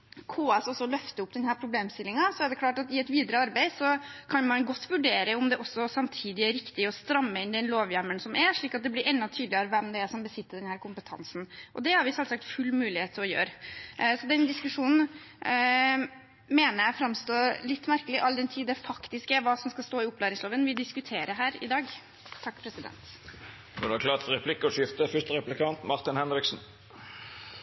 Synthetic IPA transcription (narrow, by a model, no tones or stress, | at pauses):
kʰoːɛsɔsːɔlœft̪əʊp̚ːd̪ɛnhæːɾpʰɾʊbleːmst̪ɪlːɪŋɑsɔæɖɛkʰlɑːʈɑt̪ɪɛt̪ʋiːd̪əɾəɑɾbæɪsɔkʰɑnmɑnɡɔt̪ːʋʉɖeːɾəʊmd̪ɛʔɔsːɔsɑmt̪ʰiːd̪ɪæɾɪkt̪ɪɔst̪ɾɑmːəɪnd̪ɛnloːʋjæməɳsɔmʔæɾʂɭiːkɑt̪̚d̪ɛblɪɾʔɛnːɑt̪ʰyːd̪ləɾəʋɛmd̪ɛæʂɔmbəsɪt̪ːəɖɛnhæːɾkʰʊmpət̪ʰɑ̰nsn̩ʔɔd̪ɛhɑɾʋɪsɛlsɑk̚t̪fʉlːmʉːlɪheːt̪ʰːɪlɔjø̰ːɾsɔd̪ɛnd̪ɪskʉʂuːnn̩ | meːnəɾjæɪfɾɑmst̪oːlɪt̪ːmæɾkəlɪʔɑld̪ɛnt̪ʰiːd̪ɛfɑkt̪ɪskəʋɑːsɔmskɑst̪oːɪʊpʰːlæːɾɪŋsloːʋənʋɪd̪ɪskʉt̪ʰeːɾəɦæːɾɪd̪ɑːɡ | t̪ʰːɑkːpʰɾɛsɪd̪ɛ̰nt̪ | ɑd̪ɑkʰlɑːt̪fɔɾɛpʰlɪkːəɔʂɪft̪əfʏʂt̪əɾɛplɪkʰɑnt̪mɑʁt̪ɪnhɛnɾɪksn̩